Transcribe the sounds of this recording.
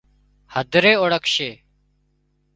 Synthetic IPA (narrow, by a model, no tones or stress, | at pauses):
həd̪ʱɾeːoɽəkʰʃeː